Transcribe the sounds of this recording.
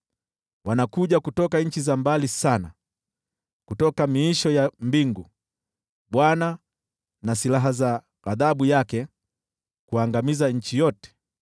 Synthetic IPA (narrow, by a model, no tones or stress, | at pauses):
wanakuʄakutɔkaɲ̩t͡ʃizambalisana̰ | kutɔkamiːʃɔjambiŋɡu | ɓwana | nasilaɦaza | aðaɓujakɛ | kuaŋɡamizaɲ̩t͡ʃijɔtɛ̥